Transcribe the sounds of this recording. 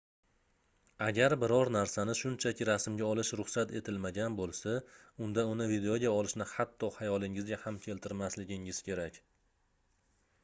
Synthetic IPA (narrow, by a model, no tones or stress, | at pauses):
aɡʲaɾbɪɾɒɾnaɾsanɪʃʊnt͡ʃʰakʲʰɪɾasmɡʲaɒlˠɪʃɾʊχsat̪e̞t̪ʰɪlmaɡʲanbolˠsaʊnd̪aʊnɪvid̪eoɡʲaɒlɪʃnɪhat̪ʰːɒhajɒlˠɪŋɪzɡʲahamkʲʰe̞lt̪ʰɪɾmaslɪɡʲɪŋɪz̥kʲʰe̞ɾakʲ